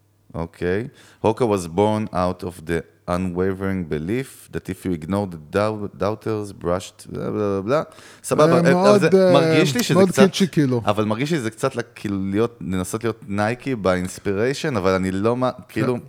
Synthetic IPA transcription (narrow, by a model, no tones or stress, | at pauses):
ʔokʰejhokawozbo̞ʁnawtʰovd̪e | ʔanwejveʁĩŋbilif | d̪atifjuiɡnoʁd̪edadawtʰeʁzbʁaʃtbla̰blablablasababadzemaʁɡiʃliʃeeodkt͡sat͡ʃikiluʔavalmaʁɡiʃ̬lizekt͡satlakʰilulijo̞t̚nenasotlijo̞tnajkʰibainspiʁejʃonavalanilo̞makiilu